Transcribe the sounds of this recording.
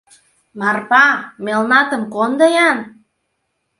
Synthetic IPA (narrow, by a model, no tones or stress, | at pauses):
mɑrpɑmelnɑt̪ə̆mkond̪ɤjɑn